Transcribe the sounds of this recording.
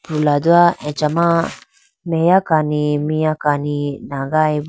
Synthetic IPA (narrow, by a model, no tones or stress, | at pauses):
pulad̪uaɛ̃t͡ʃama | mejakanimijakaninaɡajb